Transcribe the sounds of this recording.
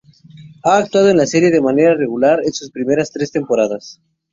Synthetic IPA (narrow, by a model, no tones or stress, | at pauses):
aːkt̪waðoe̞nlase̞ɾje̞ðe̞mane̞ɾare̞ɣulaɾensuspɾime̞ɾast̪ɾe̞st̪e̞mpoɾaðas